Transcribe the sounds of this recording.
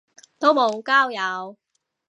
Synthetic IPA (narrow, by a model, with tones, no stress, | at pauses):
t̪o˥wmo˨˧wkaː˥wjɐ˨˧w